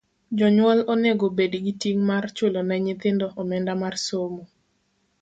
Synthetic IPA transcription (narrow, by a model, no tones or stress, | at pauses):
d͡ʒɔɲwɔloneɡobediɡitiŋmart͡ʃolonɛɲɪt̪ɪndɔʔɔmɛndamarsomo